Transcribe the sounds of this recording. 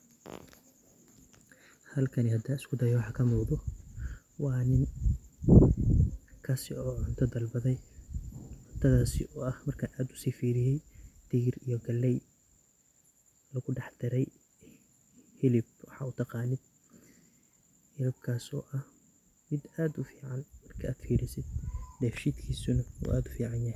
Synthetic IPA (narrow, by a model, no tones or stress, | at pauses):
hɐlkʰɐnihɐd̪aːɪskʰʊd̪ɐjɔwɑħɑːkʰɐmuːðɔ | wɑːnɪn | kʰɐsɪ̰ɔːʕʊnt̪ʰɐd̪ɐlbɐðɛj | wɐt̪ʰɐðaːsɪ̰ʔɔɐhmɐrkʰaːnʔaːd̪ʊ̥siːfiːɾɪjɛjd̪̥iːrijɔɡɐlːɛj | lɐɣʊɖɑħd̪̥ɪɾɛj | hɪlɪb̚wɑħɑ̰ːut̪ʰɑqɑːnɪd̪̚ | hɪlɪb̚kʰaːsɔ̰ːʔɐh | mɪd̪aːd̪ʊfiːʕɑnmɐrkʰɐaːd̪fiːɾɪsɪd̪d̪ɛːfʃiːd̪kʰiːsʊnɐṵʔa̰ːd̪ʊfiːʕɑnjɐhɦɛ